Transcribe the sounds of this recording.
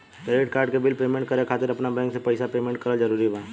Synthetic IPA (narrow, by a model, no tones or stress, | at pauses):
ɾeːʈkaːɾɖkebɪlpeːmẽɳʈ̚kəɾekʰaːt̪ɪɾɐpnabɛ̃ːŋksepɐɪsapeːmẽɳʈ̚kɐɾəd͡ʒɐɾuːɾibãː